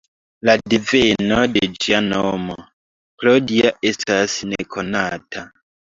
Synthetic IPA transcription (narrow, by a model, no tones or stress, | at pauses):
ladivenoded͡ʒianomo | plodiaʔe̞stasnekʰonatʰa